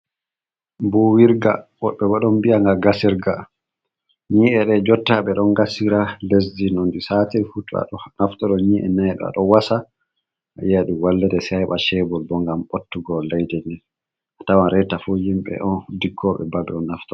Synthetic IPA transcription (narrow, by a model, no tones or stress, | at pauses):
bɔwiɾɡaɓɔɓːɛbaɗɔnbiaŋɡaɡasiɾɡa | ɲiʔɛɗɛd͡ʒɔtːaɓɛɗɔnɡasiɾales̬dinɔndisaːtɛɾfutːua̰ɗɔnaftɔɗɔɲiʔɛ̰najɗɔ̰a̰ɗɔwasa | ajaɗuwalːɛdɛsɛjɓaʃɛbɔlbɔŋɡamotːuɡɔlajdɛndɛ | atawanɾɛtafujimɓɛ̰ʔɔndiɡːɔɓɛ̰babɛ̰ɔnːaftɔ